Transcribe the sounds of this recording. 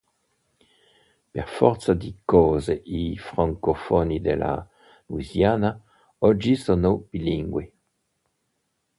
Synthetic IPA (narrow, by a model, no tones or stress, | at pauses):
peʁfɔ̰ʁt̪sad̪ikɔːzeʔifʁaŋkofɔnid̪elʔa̰ | lwizjaːna | ɔd͡ʒisonobiliŋɡwi